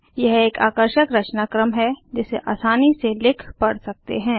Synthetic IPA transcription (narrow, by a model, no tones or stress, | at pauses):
jɛɦeːka̰ːkəɾʃəkɾɐt͡ʃnaːkɾəmɦɛd͡ʒɪseʔa̰ːsaːniselɪkʰpɐɽsɐk̚t̪ḛɦɛ̃ː